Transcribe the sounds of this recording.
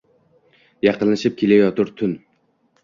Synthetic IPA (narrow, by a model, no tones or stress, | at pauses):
jɑqɨnlɪʃɪp̚kʲʰelajɒt̪ʊɾt̪ʰʊn